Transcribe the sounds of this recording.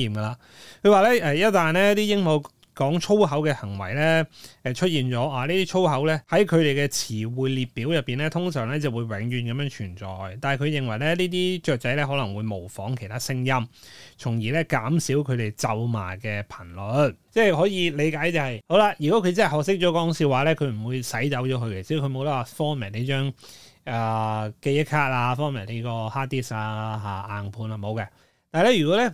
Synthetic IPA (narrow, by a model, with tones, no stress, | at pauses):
iː˨mɡɐ˧laː˧ | kʰɵ˨˧ɥwaː˨˧lɛː˥ʔɛː˧jɐ˥t̚t̪aː˨nlɛː˥t̪iː˥jɪ˥ŋmo˨˧ | kɔː˨˥ŋt͡ʃʰo˥wɦɐ˨˥wkɛː˧hɐ˨˩ŋwɐ̰˨˩jlɛː˥ɛ˧t͡ʃʰɵ˥t̚jiː˨nt͡ʃɔː˨˥ʔaː˨˧liː˥t̪iː˥t͡ʃʰo˥wɦɐ˨˥wlɛː˥hɐ˨˥jkʰɵ˨˧ɾe˨jkɛː˧t͡sʰiː˨˩wuː˨jliː˨t̚piː˨˥wjɐ˨pːiː˨nlɛː˥t̪ʰʊ˥ŋsœː˨˩ŋlɛː˥t͡sɐ˨wuː˨˧jwɛː˨˥ŋjyː˨˩nkɐ˨˧mjœː˧˥ŋt͡ʃʰyː˨˩nt͡sɔ̰ː˨jt̪aː˨nɐ˨˩kʰɵ˨˧ɥjɪ˨˩ŋwɐ˨˩jlɛː˥niː˥t̪iː˥t͡ʃœː˨k̚t͡sɐ˨˥jlɛː˥ɦɔː˨˥lɐ˨˩ŋwuː˨˧jmo˨˩wfɔː˨˥ŋkʰe˨˩tʰaː˥sɪ˥ŋjɐ˥mt͡sʰʊ˨˩ŋjiː˨˩lɛ˥kaː˨˥msiː˨˥wkʰɵ˨˧ɥt̪e˨jt͡sɐ˨˧wma̰ː˨˩kɛː˧pʰɐ˨˩nlɔ˨˥tt͡sɛː˥˩ɦɔː˨˥jiː˨˧le˨˧jkaː˨˥jt͡sɐ˨˧whɐ˨jho˨˥wlaː˧jyː˨˩kɔ˨˥kʰɵ˧ɥt͡sɐ˥hɐ˨˩hɔː˨k̚s̬ɪ˥k̚t͡ʃɔː˨˥kɔː˨˥ŋsiː˧waː˨˩lɛː˥kʰɵ˨˧ɥm̩˨˩wuː˨˧jsɐ˨˥jt͡sɐ˨˥wt͡ʃɔː˨˥kʰɵ˧ɥkɛ˨˩siː˧˥kʰɵ˧mo˨˧wt̪ɐ˥waː˨˧˩fɔː˥ŋmɛ˨˩jne˨˧jt͡ʃœː˥ŋʔaː˨ke˧jɐ˥k̚kʰaː˥t̚aː˧fɔː˥ŋmɛ˨˩ne˨˥jkɔː˧haː˥t̪iː˥saː˧ɦaː˨˩ʔaː˨npʰuː˨˧naː˧mo˨˧wkɛː˧ | t̪aː˨˧lɛ˥jy˨˩kɔː˨˥lɛ˥